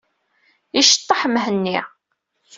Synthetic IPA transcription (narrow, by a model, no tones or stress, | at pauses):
iʃə̥t̪ˤːɑħəmɦənːi